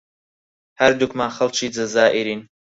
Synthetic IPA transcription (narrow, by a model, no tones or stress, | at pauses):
hɐɾd̪ukmaːxɐlˠt͡ʃʰiːd͡ʒɐzaːʔiɾiːn